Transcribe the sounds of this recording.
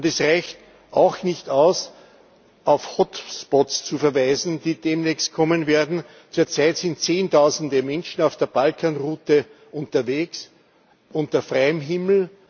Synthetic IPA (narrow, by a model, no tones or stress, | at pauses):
ʊndɛsʁaɪçt | ʔaʊxnɪçtaʊs | ʔaʊfhɔtspɔtst͡sufɛɐvæɪzn̩d̥iːd̥eːmneçst̚kʰɔmənveːɐdn̩ | t͡suːɐt͡sæɪtsɪntt͡seːntʰaʊzn̩dəmɛnʃn̩aʊfd̥eːɐb̥alkʰaːnʁuːtə | ʔʊ̃ntɐveːks | ʔʊ̃ntɐfʁaɪəmɦɪml̩